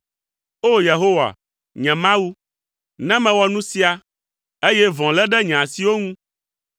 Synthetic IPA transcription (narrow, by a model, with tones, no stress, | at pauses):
o˦je˨ɦo˦wa̰˨ | ɲɛ̃˨mã˦wu˦ | nɛ̃˦mɛ̃˨wɔ˨nũ˦si˦a˨ | e˦jɛ˦vɔ̃˨lɛ˦ɖɛ˦ɲɛ̃˨a˨si˨wo˦ŋũ˦